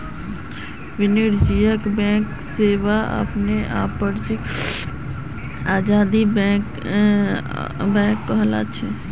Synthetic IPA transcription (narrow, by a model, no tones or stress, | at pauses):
ʋɪniɾd͡ʒijəkbɛ̃ːk | seːʋaa̰pneʔa̰ːpːəɾd͡ʒi | aːd͡ʒaːd̪ibɛ̃ːk | bɛ̃ːkːəɦla̰t͡ʃʰɛ